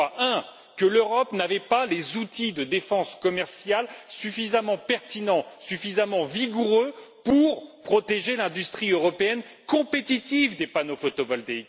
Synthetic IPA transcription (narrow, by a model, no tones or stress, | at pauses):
aʔɛ̃ | kəløʁɔpnavɛpalezut̪id̪əd̪efɑ̃skɔmɛʁsjalsyfizamɑ̃pɛʁt̪inɑ̃syfizamɑ̃viɡuʁøpuʁpχɔt̪eʒelɛ̃d̪yst̪χiøʁɔpeɛn | kɔ̃pet̪it̪ivd̪epanofot̪ɔbɔlt̪e